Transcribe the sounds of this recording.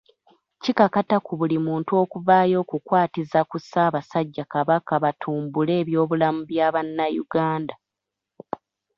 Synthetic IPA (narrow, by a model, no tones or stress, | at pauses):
cikakatakuβulimuːntuo̞ːkuvaːjo̞ːkukwaːtizakusaːβasaɟːakaβakaβatʰuːmbule̞ːβjo̞ːβulamuβjaβanːajuɡaːnda